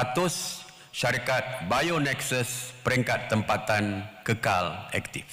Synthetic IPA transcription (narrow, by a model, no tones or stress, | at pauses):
at̪ʊs | ʃaɾikat̪̚bajonɛksəspəɾiŋkat̪ːəmpat̪ankəka̰lɛ̰kt̪if